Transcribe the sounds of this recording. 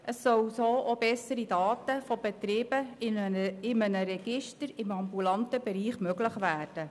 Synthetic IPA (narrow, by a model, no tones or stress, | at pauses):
ʔəsːœwsoːʔobɛsəɾidɑːtəfob̥ɛt̪ɾɪːb̥ə | ɪmənəɾɛɡ̥ɪʃtəɾɪmɑmbulɑntəbɛɾiːχmøɡləχʋæːrd̥ə